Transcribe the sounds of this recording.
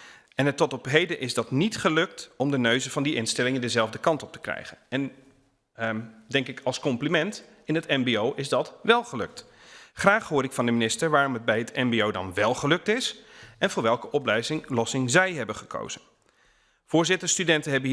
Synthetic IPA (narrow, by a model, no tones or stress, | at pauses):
ɛnətːɔtɔpɦejdənʔɪzdɑtnitχəlɵk̚tɔmdənøɥzəv̥ɑndiʔɪnstɛlɪŋəndəzɛlˠvdəkɑntɔp̚tə̥krɛ̰jχənɛn | dɛŋkɪkʰɑlˠskɔmplimɛnt | ɪnɦətɛmbeowʔɪzdɑtʋɛlˠχəlø̰k̚t | χraːχɦʊːɾɪkfɑndəminɪstəɹʋaːrɔmɦəd̚bɛjɦətʰɛmbeowdɑ̰nʋɛlˠχəlɵk̚tɪsɛnvʊːɹʋɛlˠkəʔɔplɛjzɪlɔsɪŋzɛjɦɛbənχəkʰo̰wz̥ən | v̥ʊːɹzɪtəɹstydɛntəɦɛbə